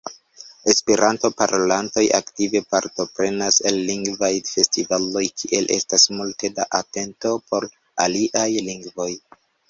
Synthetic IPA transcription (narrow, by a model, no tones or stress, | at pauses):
e̞speɾʔanto̞paɾolanto̞jʔa̰ktive̞paɾto̞pɾe̞naselːiŋɡvajfe̞stivalo̞jkʰiʔe̞lʔe̞̰stasmulte̞da̰ʔate̞nto̞pʰo̞ɾ | aliʔajliŋɡvo̞j